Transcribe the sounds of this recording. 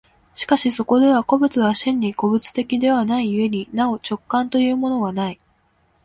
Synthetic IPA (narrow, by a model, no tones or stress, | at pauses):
ɕi̥kaɕiso̞ko̞d̪e̞β̞ako̞bɯ̟t͡sɨβaɕĩɲ̟ːiɡo̞bɯ̟t͡sɨ̥t̪e̞kʲid̪e̞β̞anaiɯe̞ɲ̟inao̞t͡ɕo̞kːãnt̪o̞jɯ̟ːmo̞no̞βanai